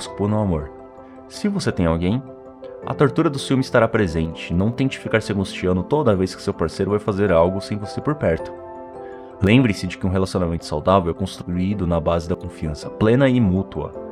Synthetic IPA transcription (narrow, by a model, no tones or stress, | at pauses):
spoɾnʊamoɾ | sɪvoset̪ẽj̃awɡẽj̃ | ɐ̰t̪oɾt̪uɾɐd̪ʊfiwmɪst̪aɾapɾezẽnt͡ʃɪnɐ̃w̃t̪ẽt͡ʃɪ̥fikaɾseɡũst͡ʃiɐ̃nʊt̪od̪ɐvejskɪ̥sewpaɾsejɾʊvajfazeɾawɡʊsẽj̃vosepoɾpɛɾt̪ʊ̥ | lẽmbɾĩsɪd͡ʒɪkɪũɦelasjõnamẽnt̪ʊsa̰wd̪avewɛkõst̪ɾuɾuid̪ʊnɐbazɪd̪ɐkõfiɐ̃sɐplẽnɐɪmut̪uɐ̰